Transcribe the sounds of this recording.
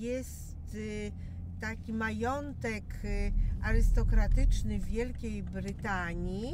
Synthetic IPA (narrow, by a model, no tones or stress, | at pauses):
jɛs | t̪ː | akʲimajɔnt̪ɛk | aɾɘst̪ɔkɾat̪ɘt͡ʂnɘvʲːjɛlkʲejbɾɘt̪aɲi